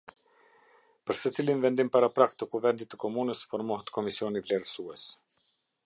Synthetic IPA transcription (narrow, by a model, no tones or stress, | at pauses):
pəɾsət͡silinvɛnd̪impaɾapɾak̚t̪əkuvɛnd̪it̪ːəkɔmunəsfɔɾmɔɦət̪kʰɔmisiɔnivlɛɾsuɛs